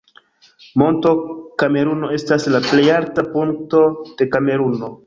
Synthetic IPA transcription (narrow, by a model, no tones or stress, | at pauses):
mo̞nto̞kame̞ɾuno̞e̞staslaple̞jaɾtapuŋk̚to̞d̥e̞kame̞ɾuno̞